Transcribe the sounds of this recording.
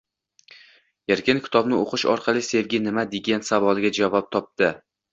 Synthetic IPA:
jeɾkʲɪnkʲʰɪ̥t̪ʰɒbnɪoqʰɨʃɒ̰ɾqʰɑlˠɪse̞vɡʲɪnɪmad̪ɪɡʲent̪savɒlˠɪɡʲad͡ʒavɒp̚t̪ʰɒp̚d̪ɪ

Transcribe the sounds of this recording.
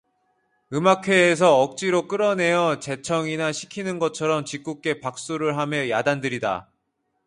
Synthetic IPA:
ɯmakʰwe̞ːs̬ʰʌʌk̚t͡ɕ͈iɾok͈ɯɾʌne̞jʌt͡ɕe̞t͡ɕʰʌŋinaɕʰi̥kʰinɯnɡʌt͡ɕʰʌɾʌmt͡ɕik͈uk̚k͈e̞pak̚s͈uɾɯɭɦamjʌjadandɯɾida̰

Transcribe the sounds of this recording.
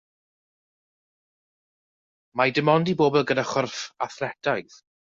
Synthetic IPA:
madɪmɔndiboːbɛlˠɡənaχʊrfa̰θlɛdʰaɨθ

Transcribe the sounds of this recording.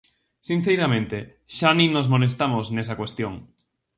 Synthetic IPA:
sin̟θejɾamẽnt̪e | ʃaninosmones̬t̪amoznesakwest̪joŋ

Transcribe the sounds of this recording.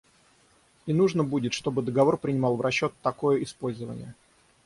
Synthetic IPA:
iɪnuʐnəbudʲɪt̪ʂt̪o̞bɨd̪əɡɐvo̞rpɾʲɪnʲɪmɑlˠvrɐɕːo̞t̪ːɐko̞jəɪspo̞lʲzəvə̰nʲɪ̰jə

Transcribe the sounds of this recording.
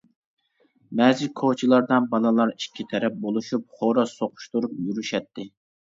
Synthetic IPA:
mɛzikʰot͡ʃʰilˠɑɾd̪ɑnbɑnɨlˠɑɾikʲʰːit̪ʰɛɾɛp̚bolˠuʃup̚χoɾɑsoqʰʊ̥ʃt̪uɾupjyɾyʃɛt̪ʰːɪ

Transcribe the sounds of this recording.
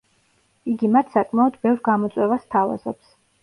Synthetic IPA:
iɡimat̪ʰsakʼmaɔd̪bɛvɾɡamɔt̪sʼwɛvast̪ʰava̰zɔ̰ps

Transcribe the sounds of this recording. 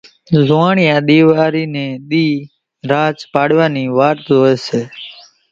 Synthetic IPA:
zʊãːɳɪjãːɗ̪iːʋaːɾiːnẽːɗ̪iː | ɾaːt͡ʃpaːɽʋaːniːʋaːɾt̪ːoːɛːseː

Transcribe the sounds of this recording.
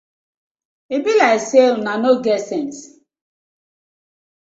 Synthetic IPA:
ibilaɪksenanoɡɛtsɛns

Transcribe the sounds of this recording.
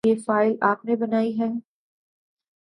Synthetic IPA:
efaːɪlʔaːpnebɐnaːiɦɛː

